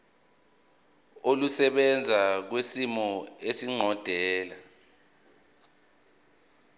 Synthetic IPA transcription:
olusɛɓɛnd͡zʱak̬wesimɔesiŋ͡ǀʱɔd̥ʱɛːla

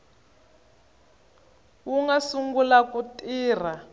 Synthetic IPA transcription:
wuŋɡasuŋɡulakutʼiːr̤a

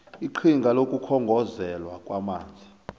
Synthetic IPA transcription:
iǃʰiŋɡʱalokʼukʰɔŋɡʱɔzɛlwakʼwamaːnd͡zʱi

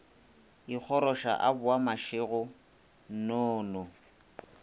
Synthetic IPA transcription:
ik͡xʰɔɾɔʃa̰ʔabʊamaʃɪɣʊ | nɔːnɔ

